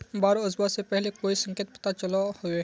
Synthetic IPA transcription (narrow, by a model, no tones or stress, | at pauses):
baːɾoʊzbasepɛɦlekoːisɐ̃ŋkijt̪̚pɐ̥t̪at͡ʃɐlahʊe